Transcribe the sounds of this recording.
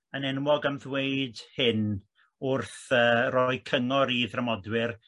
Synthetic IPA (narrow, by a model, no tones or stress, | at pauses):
ənɛnwɔɡamðweɨdhɪn | ʊrθəːrɔjkʰəŋɔɾiːðramɔdwɪr